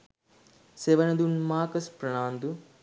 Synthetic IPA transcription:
seʋɐnɐd̪unmaːkɐspɾɐɳaːnd̪u

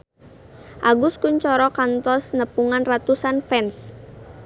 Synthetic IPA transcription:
ʔaɡʊskuɲt͡ʃɔɾɔkant̪ɔsnəpuŋanrat̪usanfɛns

